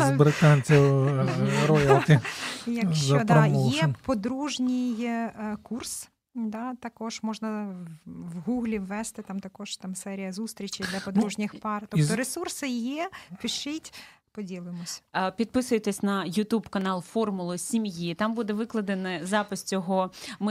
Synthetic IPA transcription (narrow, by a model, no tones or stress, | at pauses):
zbɾɪt̪ɑnʲt͡sʲiw | ɾɔjɐt̪ɪjɐkzɐd̪ɔɑmɔjɛpɔd̪ɾuʒnʲɪjkurs | d̪ɑt̪ɐkɔʒmɔʒnɐ | ʋɦuɣlʲiʋːɛst̪ɪt̪ɑmt̪ɐkɔʒ̥t̪ɑmsɛɾʲijɐzust̪ɾʲit͡ʃɪjd̪lʲɐpɔd̪ɾuʒnʲixpɑrt̪ɔt̪ɔɾesursɪjɛpɪʃɪtʲ | pɔdʲilˠɪmɔsʲɐ̥pʲid̪̚pɪsʊjet̪esʲnɐjʊt̪ubkɐnɑlˠfɔrmʊlˠʊsʲimjit̪ɑmbud̪ɛʋɪklˠɐd̪enɐzɑpɪsʲt͡sʲɔɦɔmɪ